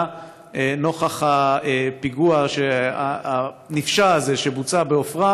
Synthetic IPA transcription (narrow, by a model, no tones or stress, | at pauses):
eno̞χaχaepiɡuaʃeaa | nifʃaːzeʃebut͡sabeofʁa